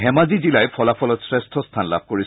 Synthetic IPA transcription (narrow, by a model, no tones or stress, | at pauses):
ɦɛmazizilajpʰɔlafʰɔlɔtsɹestʰɔst̪ʰanla̰b̚koɹi